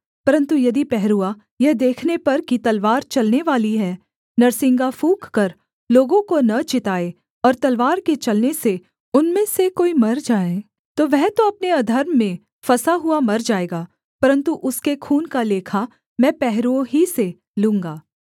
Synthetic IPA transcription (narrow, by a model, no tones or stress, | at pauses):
pɐɾə̃nt̪ujɐd̪ipɛɦɾua | jɐɦd̪eːkʰnepɐɾkit̪ɐlʋaːɾt͡ʃɐlneʋaːliɦɛː | nɐɾsɪ̃ŋɡafũːkkɐɾ | loːɡõkonɐt͡ʃɪt̪aːe | ɔːɾt̪ɐlʋaːɾket͡ʃɐlnese | ʊnmẽsekoːimɐɾd͡ʒaːẽː | t̪oʋɛɦt̪oɐpneɐd̪ʱəɾmːẽ | fɐsaɦuamɐɾd͡ʒaːeːɡaː | pɐɾə̃nt̪uʔʊskekʰuːnkaleːkʰa | mɛ̃ːpɛɦɾuõɦise | lũːŋɡaː